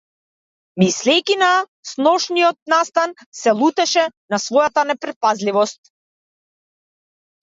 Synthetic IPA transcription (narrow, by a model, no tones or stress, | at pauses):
mislɛjkʲina | snɔʃniɔt̪̚nast̪an | sɛlˠut̪ɛʃɛnasvɔjat̪anɛpɾɛt̪̚pazlivɔst̪̚